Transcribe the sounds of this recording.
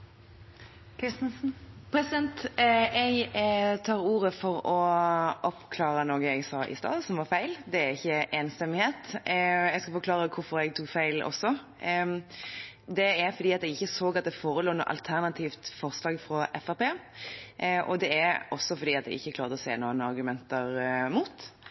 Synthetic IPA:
spʰɾɛsɪd̪ɛnt̪ɛɪɡt̪ʰɑːɾuːʁəfɔɾɔʔɔpkʰlɑːɾənoːɡəɛɡsɑːʔɪ̰st̪ɑ̰ːd̪sɔmʋɑɾfæɪld̪ɛæɾɪçːəʔeːnst̪ɛmɪheːt̪ɛɡskɑlfɔɾkʰlɑːʁəkʰʊɾfɔɾɛɡ̚t̪ʰʊkfæɪlɔ̰sːɔ | d̪ɛæɾfɔɾd̪iːɑt̪ɛɡɪçːəsoːɡɑt̪̚d̪ɛfoːɾəluːnṵʔɑ̰lt̪ʰæɾnɑt̪ʰiːft̪fɔʁslɑːɡfɾɔʔɛfæpeː | ʔɔd̪ɛæɾʔɔsːɔfɔɾd̪iːɑt̪ɛ̰ɡɪ̰çːəkʰlɑːɾʁd̪əɔsḛːnuːənɑɾɡʉmɛnt̪əɾmuːt̪

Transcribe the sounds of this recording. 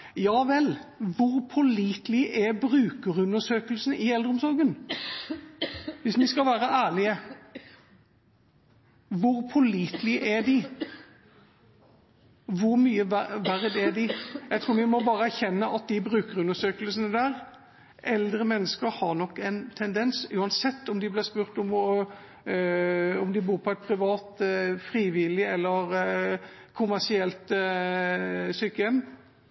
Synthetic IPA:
jɑːʋɛlʋʊɾpʰɔliːt̪lɪʔɛbɾʉːkəɾʉnːəʂøːkəlsənəɪɛld̪ɾəɔmsɔɾɡən | ʋɪsmɪskɑlʋæːɾəʔæːɭɪə | ʋʊɾpʰɔɭiːt̪lɪʔʔæd̪ɪ | ʋʊɾmyːəʋæɾəd̪ɛæd̪ɪjæɡt̪ʰɾuːɾʋɪmɔbɑːɾəæɾçɛnːəʔɑt̪̚d̪ɪbɾʉːkəʁʉnəʂøːkəlsənəd̪æːɾ | ʔɛld̪ɾəmɛnːəskəɾhɑɾnɔkːɛnt̪ʰɛnd̪ɛnsʉːɑnsɛt̪ːɔmd̪ɪblɪspʉːɾt̪ɔm | ɔmd̪ɪbuːɾpʰɔɛt̪̚pʰɾɪʋɑːt̪fɾiːʋɪlɪɛlːəɾ | kʰʊmæsɪɛlt̪ | syːkəɛm

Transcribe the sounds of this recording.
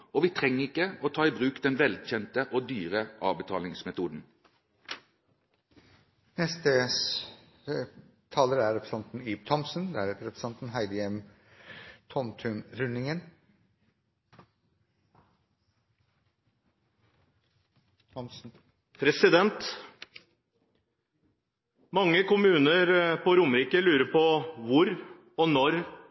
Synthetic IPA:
ɔʋɪt̪ʰɾɛŋːəɪkːəɔt̪ʰɑːɪbʁʉːkd̪ɛnʋɛlçɛnt̪əʔod̪yːʁəʔɑːʋbət̪ʰɑːlɪŋsmɛt̪ʰuːd̪n̩ | nɛst̪ə | t̪ʰɑːləɾəæɾɛpɾəsɑnt̪n̩yːb̚t̪ʰɔmsn̩d̪ɛæɾɾɛpɾəsɑnt̪n̩ɦæɪd̪əɛm | t̪ʰɔmt̪ʰʉnɾʉnːɪŋən | ɔmsn̩ | pʰɾɛsɪd̪ɛnt̪ | mɑŋːəkʊmʉːnəɾpɔɾʊmɾiːkəlʉːɾəɾpɔʋʊɾ | ɔnɔɾ

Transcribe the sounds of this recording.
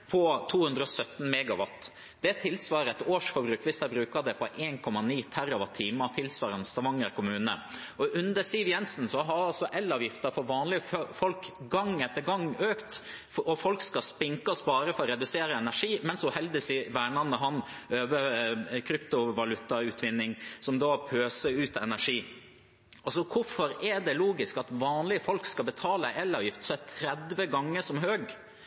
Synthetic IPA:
pʰɔt̪ʰuːhʉnd̪ɾəɔsœt̪n̩mɛɡɑʋɑt̪ː | d̪̥ɛt̪ʰɪlsʋɑːɾəɛt̪oːʂfɔɾbɾʉːkʋɪsd̪æɪbɾʉːkɑd̪ɛpʰɔʔeːnkʰɔmɑniːt̪ʰæɾɔʋɑt̪ʰːiːmət̪ʰɪlsʋɑːɾənst̪ɑʋɑŋːəɾkʰʊmʉːnə̰ɔʔʉnd̪əɾsiːʋjɛnsn̩sɔɦɑɾɑlsɔʔɛlːɑːʋjɪft̪əɾfɔɾʋɑːnlɪəffɔlkɡɑŋɛt̪ːəɾɡɑŋːøːkt̪ | ɔfɔlkskɑspɪŋkɑsbɑːɾəfɔɾɾɛd̪ʉseːɾəɛnæʂiːmɛnsɔhɛld̪əsɪʋæːɳɑnəɦɑnøːʋəkʰɾʏpt̪ʊʋɑlʉt̪ːɑʉːt̪ʰʋɪnːɪŋsɔmd̪ɑːpʰøːsəʉːt̪ɛnæʂiː | ɔsɔkʰʊfɔɾɛɖ̪ɛluːɡɪskɑt̪ʋɑːnlɪəfɔlkskɑlbət̪ʰɑːləʔɛlɑːʋjɪft̪sɔæt̪ʰɾɛd̪ʋəɡɑŋːəʂɔmɦøːɡ

